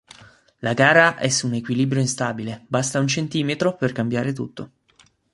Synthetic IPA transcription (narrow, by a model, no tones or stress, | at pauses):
laɡaːɾaʔɛsːuːnekwiliːbɾjoinst̪aːbilebast̪aunt͡ʃent̪iːmet̪ɾoperkambjaːɾet̪ṵt̪ːo